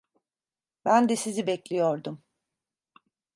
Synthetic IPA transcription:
bænd̪ɛsizibɛclʲijoɾd̪um

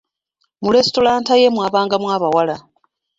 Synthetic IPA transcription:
muɾestolaːntajemwaːβaːŋɡamwaːβawala

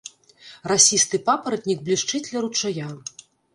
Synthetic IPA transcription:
rasʲist̪ɨpapɐɾɐt̪̚ʲnʲik̚blʲiʂt͡ʂɨt͡sʲlʲɐɾut͡ʂaja

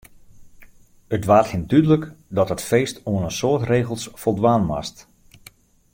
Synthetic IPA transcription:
ətʋaːthindydələkdɔtɦətfeːstoənəsoːtreːɣəlˠsfɔlˠdʋaːnma̰st

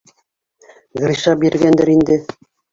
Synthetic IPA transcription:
ɡrʲiʃɑbiɾɡænd̪æɾind̪ɘ

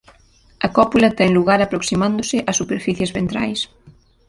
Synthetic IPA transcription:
ɐkɔpulɐt̪ɛŋluɣaɾɐpɾoksimand̪ʊsɪʔɐsːupeɾfiθjezβent̪ɾa̰js

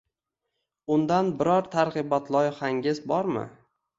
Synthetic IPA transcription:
ʊnd̪anbɪɾɒɾt̪ʰaɾʁɨbɒt̪lˠɒjɪχaŋɡʲɪzbɒɾmɪ̰

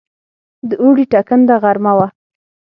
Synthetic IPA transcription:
d̪əuɽiʈakənd̪aɣaɾmawa

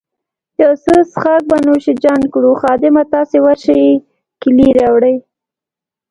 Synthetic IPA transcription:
jawsəsχak̚banoʃid͡ʒankɽuxɑd̪ɪmat̪ɑsewaɾʃəj | kɪliɾawɽəj

